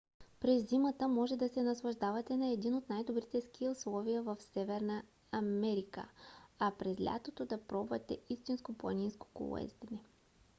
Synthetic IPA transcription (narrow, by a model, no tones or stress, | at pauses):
pɾɛzːimət̪əmɔʒɛd̪ɐsɛnɐslˠɐʒd̪avɐt̪ɛnɐɛd̪inot̪najd̪obɾit̪ɛsk̟iʊslˠɔvijəvəfsɛvɛɾnə | ɐmɛɾikə̰apɾɛzlʲʔa̰t̪ot̪od̪ɐpɾɔbvɐt̪ɛist̪inskoplˠɐ̰ninsko̥ko̰lˠo̰ɛ̰zd̪ɛnɛ